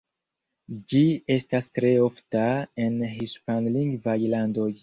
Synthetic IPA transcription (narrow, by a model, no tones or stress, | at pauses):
d͡ʒie̞stastɾe̞o̞ftae̞nɦiʃpanliŋɡvajlando̞j